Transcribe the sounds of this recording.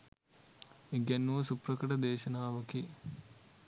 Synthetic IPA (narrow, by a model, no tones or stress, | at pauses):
eɡɛnːuʋɐsuprɐkɐʈɐd̪eːʃɐnaːʋɐki